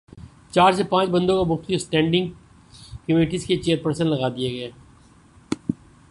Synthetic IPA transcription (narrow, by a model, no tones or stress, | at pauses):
t͡ʃaːɾsepãːt͡ʃbɐ̃nd̪õkamʊxt̪isʈɛ̃ːɳɖɪ̃ŋɡ | kɐmeːʈizket͡ʃeːɾpəɾsə̃nlɐɣaːd̪ieɡɐeː